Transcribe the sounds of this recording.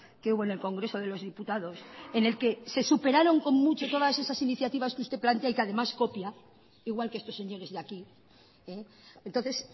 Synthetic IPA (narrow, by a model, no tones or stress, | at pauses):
keuβoene̞lko̞ŋɡɾe̞so̞ð̞e̞lo̞zðiput̪að̞o̞sene̞lke̞se̞supe̞ɾaɾo̞ŋko̞mmut͡ʃo̞t̪o̞ð̞ase̞sasiniθjat̪iβ̞askeust̪e̞plant̪eaikeaðe̞masko̞pja | iɣ̞walkeest̪osːe̞ɲo̞ɾe̞zðeaki | e | ent̪onθe̞s